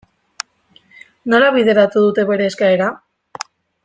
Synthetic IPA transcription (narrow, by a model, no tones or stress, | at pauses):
no̞laβ̞iðe̞ɾat̪uðut̪e̞βe̞ɾe̞ːskaeɾa